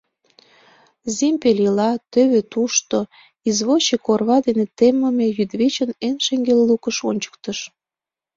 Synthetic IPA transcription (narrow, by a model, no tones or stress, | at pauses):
zimpelilɑt̪øβet̪uʃt̪o | izβot͡ɕekorβɑd̪enet̪emə̆mejyd̪βet͡ɕənenʃeŋɡellukəʃonʲt͡ɕə̥k̚t̪əʃ